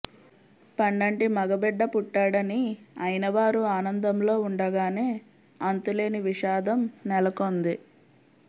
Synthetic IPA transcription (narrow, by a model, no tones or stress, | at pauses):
pɐɳɖɐɳʈimɐɡɐbɛɖːɐpuʈːaːɽɐniɐjnɐʋaːɾuaːnɐnd̪ɐmlo̞ːuɳɖɐɡaːne̞ː | ɐnt̪ule̞ːniʋiʃaːd̪ɐmnɛlɐkoːnd̪i